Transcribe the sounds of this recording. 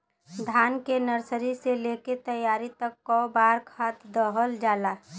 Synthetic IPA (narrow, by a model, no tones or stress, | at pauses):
d̪ʱaːnkenəɾsəɾiseleket̪əjːaːɾit̪əkːɔbaːɾkʰaːt̪d̪ɔɦəld͡ʒaːlaː